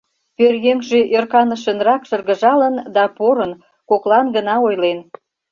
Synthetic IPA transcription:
pørjøŋʒeʔørkɑnəʃənrɑkʃə̆rɣə̆ʒɑlənd̪ɑpoɾən | koklɑnɡənɑojlen

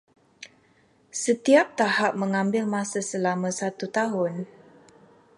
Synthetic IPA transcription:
sət̪iap̚t̪ahap̚mə̃ŋãmbɪlmãsasəlamãsat̪ut̪aɦʊn

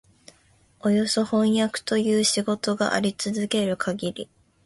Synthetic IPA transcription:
o̞jo̞so̞hõ̞ɰ̃jakɯ̟̥t̪o̞jɯːɕiɡo̞t̪o̞ɡa̰ʔa̰ɾʲit͡sɨzɨke̞ɾɯ̟kʰaɡʲiɾʲḭ

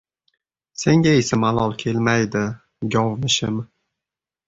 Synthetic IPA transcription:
se̞ŋɡʲaesamalˠɒlˠkʲʰe̞lmajd̪ɪ | ɡʲɒwmɪʃɪm

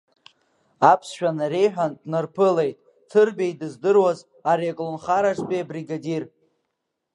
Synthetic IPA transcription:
apʰsʃᶣanaɾejħᶣandnɨrpʰɨle̞jtʼ | tʰɨrbʲejdɨzdɨrwaz | aɾekʼlonχaɾaʈ͡ʂʼbʼiabriɡadir

